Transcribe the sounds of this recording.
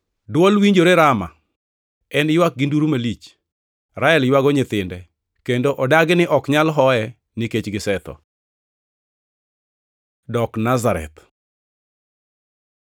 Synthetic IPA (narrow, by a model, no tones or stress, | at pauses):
dwɔlwiɲd͡ʒoɾeɾama̰ | ɛnjwak̚ɡɪnduɾumalit͡ʃ | ɾaɛljwaɡɔɲɪt̪ɪndɛ | kendoʔɔdaɡɪnɪʔɔkɲalɦɔɛ | nɪket͡ʃɡɪsɛt̪ɔ̰ | dɔknazaɾɛ̰t̪